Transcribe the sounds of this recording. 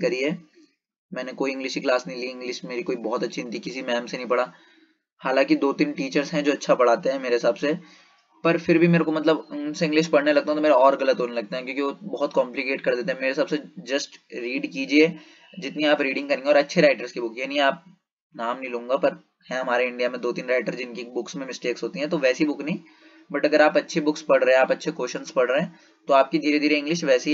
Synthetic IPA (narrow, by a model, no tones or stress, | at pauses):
kɐɾiɦɛː | mɛ̃ːnekoːiɪ̃ŋɡlɪʃkiklaːsnɐĩliɪ̃ŋɡlɪʃmeːɾikoːibɔːɔt̪ɐtːʃʰint̪ikɪsimɛːmsenɐ̃ĩpɐɽ̤aː | haːlãːkid̪oːt̪ɪnʈiːt͡ʃəɾzɦɛ̃d͡ʒoːɐtːʃʰapɐɽ̤aːt̪ẽɦɛ̃meːɾeɦɪsaːbse | pɐɾfɪɾbʱimeːɾõkomɐt̪ləbʊnseɪ̃ŋɡlɪʃpɐɽnelɐɡ̚t̪aɦɛ̃t̪omeːɾeɔːɾɣɐlət̪ɦoːnelɐɡ̚t̪eɦɛ̃kjõːkiʋobɐɦɔt̪̚kɔːmplɪkeːʈkɐɾd̪eːt̪eɦɛ̃meːɾeɦɪs̬aːbsed͡ʒɐsʈɾiːɖkiːd͡ʒie | d͡ʒɪt̪niaːpɾiːɖɪ̃ŋɡkɐɾẽːŋɡeɔːɾɐtːʃʰeɾaːɪʈəɾskibʊkjɛnɐɦĩaːp̚ | naːmnɐɦĩlũːŋɡapɐɾ | hɛ̃ɦɐmaːɾeɪ̃ɳɖijamẽd̪oːt̪iːnɾaːɪʈəɾzd͡ʒɪnkibʊksmẽmɪsʈeːksɦoːt̪iɦɛ̃t̪oʋɛːsibʊknɐɦĩː | bɐʈɐɡəɾaːpɐtːʃʰebʊkspɐɽɾeɦɛ̃aːpɐtːʃʰekoːʃənspɐɽɾeɦɛ̃ː | t̪oaːp̚kid̪ʱiːɾed̪iːɾeɪ̃ŋɡlɪʃʋɛːsi